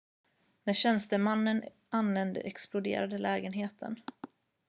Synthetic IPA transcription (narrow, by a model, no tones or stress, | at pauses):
mɛɕɛnst̪əmanːən | ʔanvɛnd̪ə̰ʔɛksplʊd̪ḛːɾad̪əlɛːɡənɦeːt̪ʰə̰n